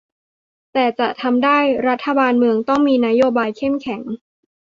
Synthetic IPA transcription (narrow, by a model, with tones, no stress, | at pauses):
t̪ɛː˨˩t͡ɕa˨˩ʔt̪ʰa˧mdaː˥˩jɾa˦˥t̪ʰːa˧baː˧nmɯ˧əŋt̪ɔ˥˩ŋmiː˧na˦˥joː˧baː˧jkʰe˥˩mkʰɛ˩˦ŋ